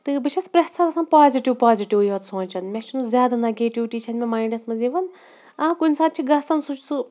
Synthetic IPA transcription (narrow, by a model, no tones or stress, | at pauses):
t̪ɨbiʃɐspɾɐt̪sɐɾɐsanpaːziʈiʋpaːziʈiʋjɐt̪sõːnʲt͡ʃɐnmʲet͡ʃʰinuzʲjaːd̪anɐɡeːʈiʋʈit͡ʃʰɐnmemaːiɳɖɐsmɐziʋɐn | akunʲsaːd̪̚t͡ʃʰiɡɐsɐnsut͡ʃʰsu